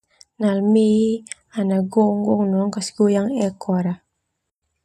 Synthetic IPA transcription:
nalmi | anaɡuŋɡuŋnuŋkasɡujaŋɛkʰɔɾa

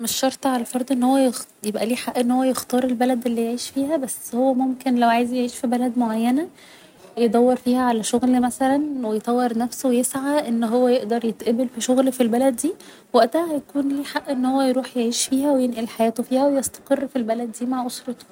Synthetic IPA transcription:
meʃːɑɾˤt̪ˤɑʕalæfɑɾˤd̪ˤʔenːhowːæjexjebʔæliːħaʔːʔenːhowːæjext̪ɑːɾˤelbælæd̪ʔelːijeʕiːʃfiːhæbæsːhowːæmomkenlæwʕajezjeʕiːʃfibælæd̪moʕajːænæ | jed̪ˤɑwːeɾfiːhæʕalæʃoɣlmæsælænwejet̪ˤɑwːeɾˤnæfsowejesʕaʔenːɦowːæjeʔd̪ɑɾˤjet̪ʔæbelfiʃoɣlfilbælæd̪ːiː | wæʔt̪æhæhæjækuːnliːħaʔʔenːhowːæjɾuːħjeʕiːʃfiːhæwejenʔilħajæːt̪ofiːhæwejest̪ɑ̥qerːfilbælæd̪ːiːmaʕʔosɾˤɑt̪

